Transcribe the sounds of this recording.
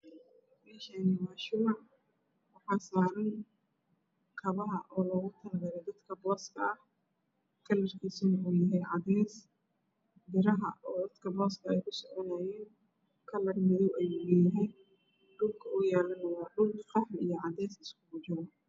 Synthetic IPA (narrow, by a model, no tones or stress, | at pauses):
mɪʃɛnɪmɐʃuːʕ | wɑħɑːsaːɾɐn | kʰɐβɐɦɐʔɔːlɔːɣʊt̪ʰɐlɣɐɾɛd̪ɐd̪kʰɐbɔːskʰɐɐh | kʰɐlɐrkʰiːsʊnɐuːjɐɦɛjʕɑd̪ɛːs | b̪ɪɾɐɦɐʔɔːd̪ɐd̪kʰɐbɔːskʰɐɛjkʰʊsɔʕɔnaːjɛːn | kʰɐlɐrmɪðɔwʔɛjuːjɛjɐɦɛj | ɖʊlkʰɐʊjaːlɐnɐwɑːɖʊlkqɑħlijɞʕɑd̪ɛːsɪskʰʊbʊd͡ʒʊɣɔ